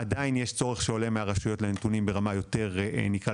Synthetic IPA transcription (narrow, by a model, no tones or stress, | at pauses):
ad̪ainjeʃt͡so̞ʁeχʃeo̞le̞meaʁaʃujo̞tlent̪unimbe̞ʁamajo̞te̞ʁnikʁa